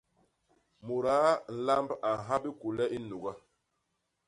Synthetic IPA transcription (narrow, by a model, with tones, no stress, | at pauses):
mu˨ɾa˨˦n̩˨la˦mba˨ɦa˦bi˦ku˨lɛ˦ʔi˦nu˨ɡa˦